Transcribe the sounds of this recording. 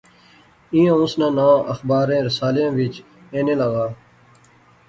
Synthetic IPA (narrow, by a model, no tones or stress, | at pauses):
ĩːjãːʊ̃snãːnãːʔəxbaːɾẽːɾɪsaːlijãːʋɪt͡ʃ | ẽːnẽːləɣaː